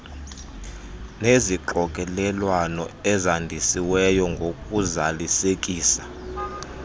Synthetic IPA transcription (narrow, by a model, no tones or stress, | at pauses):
neziǃɔkʼɛlɛlwanɔɛzandʱisiwɛjɔŋɡʱokʼuzalisek̬ʼiːsḁ